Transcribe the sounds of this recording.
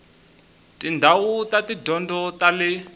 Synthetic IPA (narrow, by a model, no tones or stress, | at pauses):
tindʱawutatidʱɔndɔtalɪ